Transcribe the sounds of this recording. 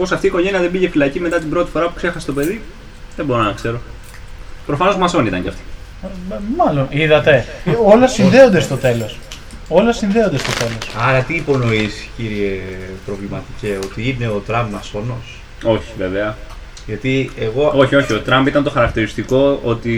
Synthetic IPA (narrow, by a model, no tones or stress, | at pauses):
po̞sɐft̪iːko̞ʝe̞niɐðebiʝe̞filɐcime̞t̪ɐt̪imbɾo̞t̪ifo̞ɾɐpu̥kse̞xɐset̪o̞pe̞ði | ðembo̞ɾonɐkse̞ɾo̞ | pɾo̞fɐno̞zmɐso̞nit̪ɐ̰ɲɟḛɐ̰ft̪o̥ | mɐlo̞niðɐt̪e̞o̞lɐsinðe̞o̞nd̪est̪o̞t̪e̞lo̞s | o̞lɐsinðeo̞nd̪est̪o̞t̪e̞lo̞sɐɾɐt̪iːpo̞no̞isi̥ciɾie̞pɾo̞vlimɐt̪ice̞o̞t̪iine̞o̞t̪ɾɐmbmɐso̞no̞s | o̞çi̥veveɐ | ʝɐt̪ieɣo̞o̞çio̞çio̞t̪ɾɐmbit̪ɐnt̪o̞xɐɾɐk̚t̪iɾist̪iko̞ot̪i